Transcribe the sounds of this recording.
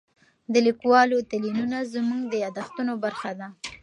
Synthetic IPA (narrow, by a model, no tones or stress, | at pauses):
d̪əlikwɑlot̪alinunazmuŋɡd̪əjɑd̪axt̪unobaɾxad̪a